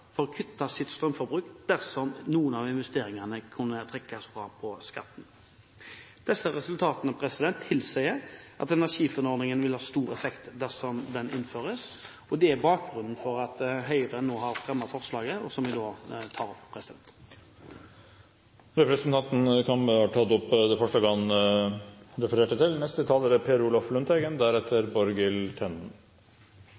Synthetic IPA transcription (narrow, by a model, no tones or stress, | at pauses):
fɔɾɔkʰʏt̪ːɑsɪt̪st̪ʁœmfɔbʁʉːkd̪̥æʁsɔmnuːənɑʋɪnʋɛst̪eːɾɪŋɑnəkʰʉnːət̪ʰʁɛkːɑsfʁɑpʰɔskɑ̰t̪ːn̩ | d̪̥ɛsːəʁɛsʉlt̪ʰɑːt̪ənəpʰɾɛsɪd̪ɛnt̪ʰːɪlsɛɪəɾʔɑ̰t̪ɛnæʂiːfʉnɔʁd̪ɪŋənʋɪlhɑːst̪uːʁɛfɛkt̪d̪æʁsɔmd̪ɛnɪ̰nføːʁəs | ɔd̪ɛæʁbɑːk̚ɡʁʉnn̩fɔɾɑt̪ɦœʏʁənoːɦɑɾfɾɛmːɑfɔʁslɑːɡəɔsɔmʋɪd̪oːt̪ʰɑːɾɔpːpʰʁɛsɪd̪ɛ̰nt̪ | ɾɛpɾəsənt̪ɑnt̪n̩kʰɑməɑʈʰɑt̪ːɔpːd̪ɛfœʂʈəɡɑŋ | ɾɛfəɾeːʈət̪ʰɪlnɛst̪ət̪ʰɑːlːəɾəpʰeːɾuːlɔflʉnt̪ʰɛɡənd̪æɾɛt̪ʰəɾbɔɾɡɪlt̪ʰɛnn